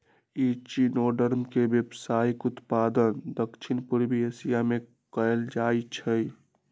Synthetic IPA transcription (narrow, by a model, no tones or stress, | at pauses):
it͡ʃinoːɖəɾmkebjebsajkʊt̪pad̪ənd̪əkt͡ʃʰinpuɾbiesijame | kəeld͡ʒait͡ʃʰəj